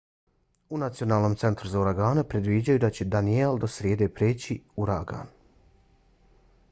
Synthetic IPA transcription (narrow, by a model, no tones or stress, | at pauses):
unat̪sijonaːlˠnomt̪se̞nt̪ɾuzauɾaɡaːnepɾed̪ʋid͡ʑajud̪at͡ɕe̞d̪anield̪osɾjeːd̪e̞ːpɾeːt͡ɕiuɾaɡa̰ːn